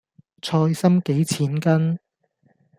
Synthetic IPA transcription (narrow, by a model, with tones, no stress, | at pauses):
t͡sʰɔː˧jsɐ˥mke˨˥jt͡sʰiː˨˥nkɐ˥n